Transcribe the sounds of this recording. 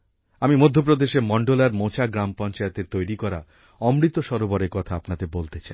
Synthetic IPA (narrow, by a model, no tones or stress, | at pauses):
amimod̪ʱːop̬ɾod̪eʃemɔɳɖolaɾmot͡ɕaɡɾampɔnt͡ɕaet̪et̪ojɾikɔɾa̰ | ɔmɾit̪oʃɔɾobɔɾekɔt̪ʰaapnad̪ebolt̪et͡ɕaj